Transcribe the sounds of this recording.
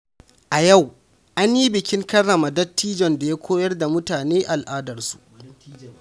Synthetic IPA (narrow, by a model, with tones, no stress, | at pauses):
ʔa˨ja˦˨w | ʔa˦nji˦bɪ˨kʲɪ˦ŋkɐ˦ɽːɐ˨ma˨dɐ˦tːiː˦d͡ʒɔ˨nda˨ja˦kʷoː˦jɐ˦rda˨mʊ˦taː˨neː˦ʔa˨lʔaː˦dɐ˨rsu̥˨ʔ